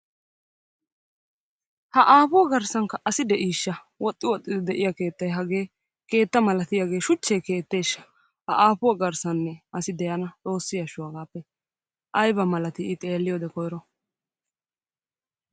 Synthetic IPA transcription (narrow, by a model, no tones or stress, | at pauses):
hɐʔaːpʊwɐɡɐɾsɐŋkɐʔɐsɪd̪ɛʔiːʃːɐ | wɔt̪ʼːɪwɔt̪ʼːɪd̪ɪd̪ɛʔɪjake̞ːt̪ːɐjɦɐɡe̞ː | ke̞ːt̪ːɐmɐlɐt̪ɪjaɡe̞ːʃʊt͡ʃːeːke̞ːt̪ːe̞ːʃːɐ̥ | hɐʔaːpʊwɐɡɐɾsɐnːɛʔɐsɪd̪ɛjɐnɐt͡sʼo̞ːsːɪjɐʃʊwɐɡaːpːɛ | ʔɐjbɐmɐlɐt̪ɪɪt̪ʼe̞ːlːɪjoːd̪ɛkɔjɾɔ